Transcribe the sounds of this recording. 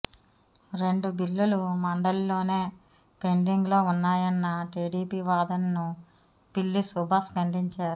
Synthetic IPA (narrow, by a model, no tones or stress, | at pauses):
ɾe̞ɳɖubilːulumɐɳɖɐllo̞ːne̞ː | pe̞ɳɖiŋɡlo̞ːunːaːjɐnːɐʈiːɖiːpiːʋaːd̪ɐnnu | pilːisubʱaːskɐɳɖiɲt͡ʃaːɾu